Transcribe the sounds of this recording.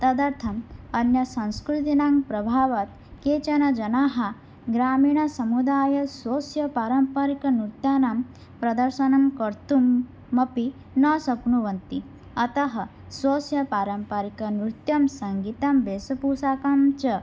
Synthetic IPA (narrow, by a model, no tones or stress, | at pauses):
t̪ɐd̪ɐɾt̪ʰɐmɐnjɐsɐ̃nskɾut̪inaːŋpɾɐbʱaːʋɐt̪ | keːt͡ʃɐnɐd͡ʒɐnaːɦɐ | ɡɾaːmiːɳ̃ɐsɐmud̪aːjɐsoːsjɐpaːɾɐmpɐɾikɐnut̪jaːnam | pɾɐd̪ɐɾʃɐnɐmkɐɾt̪umː | ɐpi | nɐsɐkɳuʋɐnt̪i | ɐt̪ɐɦɐ | sʋoːsjɐpaːɾɐmpɐɾikɐnɾut̪jɐmsɐŋɡit̪ɐmbeːsɐpusaːkamt͡ʃɐ